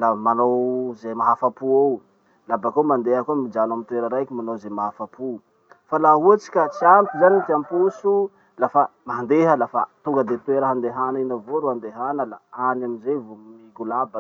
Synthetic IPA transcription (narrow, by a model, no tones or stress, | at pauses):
lamanowzemaɦafapuaw | labakamand̪eɦəkuəmid͡ʒanamint̪uweɾəɾajkʲimanowzemaɦafapu | falaɦuat͡si̥kʲat͡siant̪uzanit̪iampusu | lafamaand̪eɦəlafa̰t̪uŋɡəd̪et̪ueɾaɦand̪eɦanainavoɾuand̪eɦanəlaanamizevomiɡulaba